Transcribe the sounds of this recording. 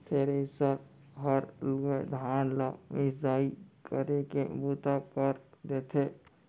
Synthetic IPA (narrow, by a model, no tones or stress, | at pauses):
t̪ʰeɾesəɾ | ɦəɾlɡed̪ʱaːnlamɪzaːikəɾekebut̪akəɾd̪et̪ʰe